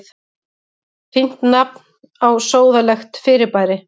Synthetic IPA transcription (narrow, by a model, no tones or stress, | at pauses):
θ | fin̥t̪napn | awsoːwðalɛxt̪fɪɾɪɾpaːjɾɪ